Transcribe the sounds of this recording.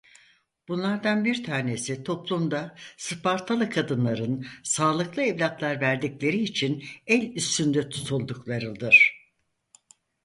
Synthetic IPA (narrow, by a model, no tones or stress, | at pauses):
b̥unlˠaɾd̪anbiɾt̪ʰaːne̞sit̪ʰo̞plˠumd̪asɯpaɾt̪ʰalˠɯkʰad̪ɯnlˠaɾɯnsaːlˠɯklˠɯɛvlʲat̪lˠaɾvæɾd̪iclʲe̞ɾiːt͡ʃʰinɛlʲyst̪ynd̪ɛt̪ʰu̥t̪ʰulˠd̪uklˠaɾɯd̪ɯɾ̥